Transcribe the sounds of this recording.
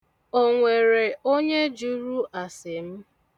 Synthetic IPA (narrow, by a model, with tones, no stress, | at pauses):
o˨ŋʷe˨ɾe˨o˦ɲe˦d͡ʒu˦ɾu˦ʔa˨sɪ˨m̩˦